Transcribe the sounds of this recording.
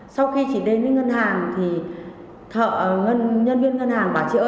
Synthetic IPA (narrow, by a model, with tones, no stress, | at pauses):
sa˧wxi˧t͡ɕḭ˧˩ɗe˧nə˧˨˦ŋə˧nɦaː˨˩ŋt̪ʰi˨˩ | t̪ʰə̰ː˧˨˩ʔŋə˧nɲə˧nvi˧ənŋə˧nhaː˨˩ŋɓaː˧˩t͡ɕḭ˧˩ʔ